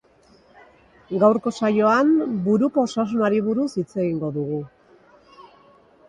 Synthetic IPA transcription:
ɡawɾko̞sajo̞ambuɾuko̞ːsas̬unaɾiβuɾusit͡se̞ɣiŋɡo̞ðuɣu

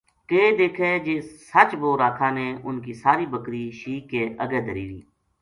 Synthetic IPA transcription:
keːd̪eːkʰeːd͡ʒeːsət͡ʃʋoːɾaːk̪ʰãːneːʊnkiːsaːɾiːbəkɾiːʃiːkːeːʔəɡɛːd̪əɾiːʋḭː

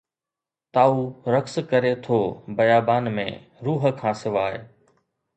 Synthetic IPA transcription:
t̪aːuɾɐkskɐɾet̪ʰoːbɐjaːbaːnmḛ̃ | ɾuːɦə̆kʰãːsɪʋaːe

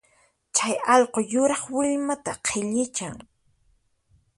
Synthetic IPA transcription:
t͡ʃajɑʎqojʊɾɑχwɪʎmat̪aqʰɪʎɪt͡ʃaŋ

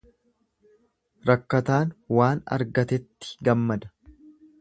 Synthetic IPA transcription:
ɾɐkːɐt̪aːnwaːnɐ̰ɾɡɐt̪ɛt̪ːɪ̥ɡɐmːɐd̪ɐ̥

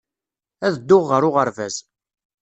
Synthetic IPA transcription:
æðəd̪ːʊʁːəɾʊʁəɾvæz

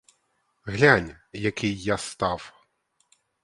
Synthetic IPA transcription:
ɣlʲanʲjakʲʰijjast̪aw

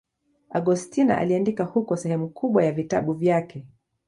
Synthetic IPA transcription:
aɡɔstina̰ʔa̰liandikahukɔsɛhɛmukʰuɓwajavita̰ɓuvjakɛ

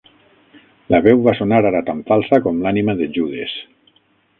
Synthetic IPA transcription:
laβɛwβasonaɾaɾat̪aɱfalˠsakɔmlanimaðeʒuðes

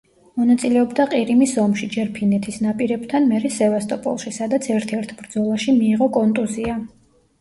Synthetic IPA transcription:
mɔnat̪sʼilɛɔbd̪aqʼiɾimisɔmʃid͡ʒɛɾpʰinɛt̪ʰisnapʼiɾɛbt̪ʰanmɛɾɛsɛvast̪ʼɔpʼɔ̰lˠʃisad̪at̪sʰɛɾt̪ʰɛɾt̪ʰbɾd̪zɔlˠaʃimiːʁɔkʼɔnt̪ʼuzia

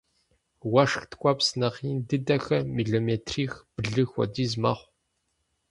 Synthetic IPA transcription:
wɐʂxtʰkʷʼɔpsnɐqiːndɨdɐxɐmiːɮoːmeːtʰriːxb̥ɨɮɨxʷɔ̰diːzmɐ̰χʷ

